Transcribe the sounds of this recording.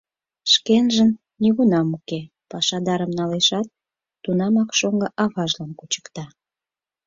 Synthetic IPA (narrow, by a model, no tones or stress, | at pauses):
ʃkenʒən | nʲiɣunɑmuke | pɑʃɑd̪ɑɾəmnɑleʃɑt̪̚ː | unɑmɑkʃoŋɡə̆ʔɑβɑʒlɑnkut͡ɕə̥kt̪ɑ